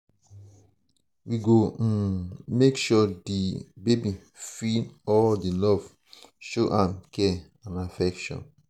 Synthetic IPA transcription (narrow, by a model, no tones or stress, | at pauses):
wiɡo | mekʃɔdibebi | finɔdilɔv̥ | ʃoʔãmkɛ | ãnafɛkʃɔ̰̃n